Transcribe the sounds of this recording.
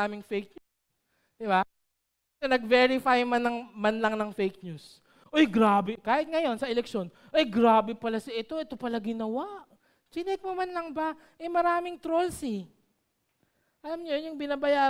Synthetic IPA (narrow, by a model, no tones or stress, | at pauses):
aːmɪŋfejk̚ɲu | d̪̥ɪba | kɐnɐɡ̚vɛɹɪfajmɐnɐŋmɐnlɐŋnɐŋfejk̚ɲus | ʔojɡɾaːbɛkaːhɪt̪̚ŋɐjo̞nsɐʔɛlɛkʃo̞n | ʔɐjɡɾaːbɛpɐlasɐʔɛt̪o̞ʔɛt̪o̞pɐlaɡɪnɐwaʔ | t͡ʃɪnɛk̚momɐnlɐŋba | ʔɐmɐɾaːmɪŋt̪ɾolsɪ | ʔɐlamɲojʊŋbɪnaːbɐjaː